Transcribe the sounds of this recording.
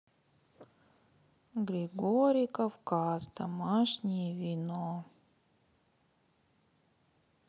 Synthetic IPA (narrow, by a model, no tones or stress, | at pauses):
ɡɾʲɪɡoɾʲɪjkɐfkazd̪ɐmaʂnʲɪjəvʲɪno